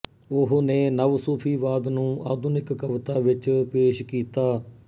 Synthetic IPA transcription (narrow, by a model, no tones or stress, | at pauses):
ʊɦneːnəʋsuːpʰiːʋaːd̪nũːʔa̰ːd̪ʊnɪkːəʋt̪aːʋɪt͡ʃpeːʃkiːt̪aː